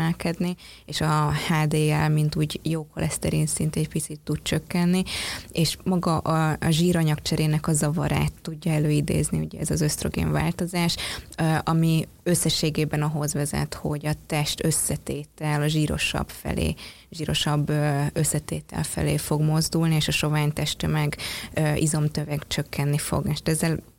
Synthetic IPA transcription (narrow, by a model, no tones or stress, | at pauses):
ɛlkɛd̪nieːʃɒhaːd̪eːɛlmint̪uːɟjoːkolʔɛst̪ɛɾinsint̪ɛcpit̪sit̪ːut̪̚t͡ʃø̞kːɛnːieːʃmɒɡɒʔɒɒʒiːɾɒɲɒkt͡ʃɛɾeːnɛkɒzɒvɒ̰ɾa̰ːt̪ːuɟːɒɛløːid̪ḛːzniuɟɛɛzɒzøst̪ro̞ɡḛːɱva̰ːlt̪o̞zaːʃʔɒmi | øsːɛʃːeːɡeːbɛnɒɦo̞zʋɛzɛ̰t̪ho̞ɟɒt̪ɛʃt̪øsːɛt̪eːt̪ɛlɒʒiːɾo̞̰ʃɒ̰bfɛ̰lḛː | ʒiːɾo̞̰ʃɒbːøsːɛt̪eːt̪ɛ̰lfɛ̰lḛːfo̞ɡmo̞zd̪ulnieːʃɒʃo̞vaːɲt̪ɛʃt̪ømɛɡʔizo̞mt̪øvɛkt͡ʃø̞kːɛnːifo̞̰ɡɛʃt̪ɛzːɛl